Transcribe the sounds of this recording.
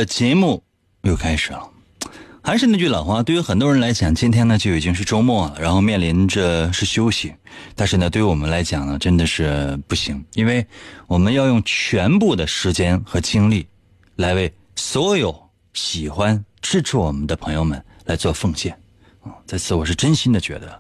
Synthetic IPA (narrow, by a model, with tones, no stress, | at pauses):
t͡ɕjɛ˧˥mu˥˩ | jo˥˧ʊkʰa˥ɪʂɻ̩˨˩lə˦ | xa˧ɪʂɻ̩˥˧na˥˧t͡ɕy˥˩lɑ˨˩ʊxwa˥t̪we˥˩y˥xə˨˩nt̪wɔ˥ɻə˧˥nla˧˥ɪt͡ɕjɑ˨˩ŋt͡ɕi˥nt̪ʰjɛ˥nə˨t͡ɕjo˥˩ʊi˨˩t͡ɕi˥ŋʂ̬ɻ̩˥˩ʈ͡ʂo˥ʊmɔ˥˩˨ɻa˧˥nxo˥˧ʊmjɛ˥˩nli˧˥nʈ͡ʂə˥˧ʂɻ̩˥˩ɕjo˥ʊɕi˨˦ | t̪a˥˧nʂɻ̩˥˩nə˩t̪we˥˩˧wɔ˨˩mə˦nla˧˥ɪt͡ɕjɑ˨˩ŋnə˦ʈ͡ʂə˥nd̪ə˨ʂɻ̩˥˧pu˥˩ɕi˧˥ŋi˥nwe˥˩ɪwɔ˨˩mə˦njɑ˥˧ʊjʊ˥˩ŋt͡ɕʰɥɛ˧˥npu˥˩d̪ə˩ʂɻ̩˧˥t͡ɕjɛ˥nxɤ˧˥t͡ɕi˥ŋli˥˩ | la˧˥ɪwe˥˩ɪ | swɔ˧˥jo˧˩˦ʊ | ɕi˨˩xwa˥nʈ͡ʂɻ̩˥ʈ͡ʂ̩ʰ˥wɔ˨˩mə˦nd̪ə˧pʰɤ˧˥ŋjo˧ʊmə˨˩nla˧˥ɪt͡swɔ˥˧fɤ˥˧ŋɕjɛ˥˩n̩˥˧ | t͡sa˥˧ɪt͡sʰɹ̩˥˩wɔ˨˩ʂ̬ɻ̩˥˩ʈ͡ʂə˥nɕi˥nd̪ə˨t͡ɕɥɛ̰˧˥d̪ə̰˧